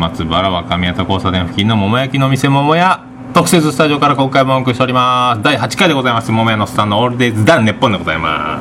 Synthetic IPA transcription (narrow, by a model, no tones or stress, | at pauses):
mat͡sɨbaɾaβakamʲiat̪oko̞ːsad̪ẽɸɯ̟̥kʲinːo̞mo̞mo̞jakʲinoːmise̞mo̞mo̞ja | t̪o̞kɯ̟se̞t͡sɨsɨ̥t̪aʑio̞kaɾako̞ːkaibkɯɕt̪eɾʲimasɨd̪aiɦat͡ɕi̥kaid̪e̞ɡo̞zaimasɨmo̞mo̞janosɨ̥t̪ãnːoːɾɯ̟d̪ezɨd̪ãnːe̞pːõnd̪eɡo̞zaima̰